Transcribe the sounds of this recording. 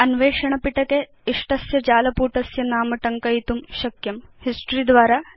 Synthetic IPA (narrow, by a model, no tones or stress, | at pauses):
ɐnʋeːʂɐɳɐpiʈɐk̪e | iʂʈɐsjɐd͡ʒaːlɐpuːʈɐsjɐnaːmɐʈɐŋkɐjit̪umʃɐkjɐmhisʈɾid̪ʋaːɾaː